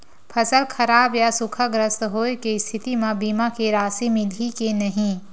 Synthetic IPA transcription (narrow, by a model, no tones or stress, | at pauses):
pʰɐsəlkʰɐɾaːbjasʊkʰaɡɾəst̪ɦoːekest̪ʰɪt̪imãbiːmakeɾaːsimɪlikenɐɦĩ